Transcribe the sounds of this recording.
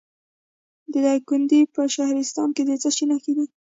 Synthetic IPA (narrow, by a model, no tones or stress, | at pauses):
d̪əd̪ɑkʊnd̪ipəʃahɾɪst̪ɑ̰nked̪et͡səʃinaxkid̪i